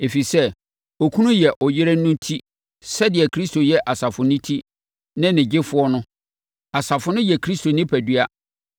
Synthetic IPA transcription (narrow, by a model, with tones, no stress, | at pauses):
e˨fi˨sɛ˦ | o˨kʰu˦nũ˦jɛ˨ʔɔ˨jɪ˦ɾɛ˦nʊ̃˦ntʰi˦ | sɛ˦dɪ˨ɛ˨kʰɾi˦sto˨jɛ˦ʔa˨sa˨fʊ˨nɪ̃˦tʰi˦ | nɪ̃˦nɪ̃˨d͡ʑɪ˦fʊ˦ɔ˦nʊ̃˦ | a˨sa˨fʊ˦nʊ̃˦jɛ˨kʰɾi˦stʰo˨nɪ̃˦pʰæ˨dy˦a˦